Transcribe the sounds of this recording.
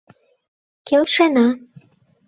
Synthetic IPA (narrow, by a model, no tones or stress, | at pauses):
kelʃenɑ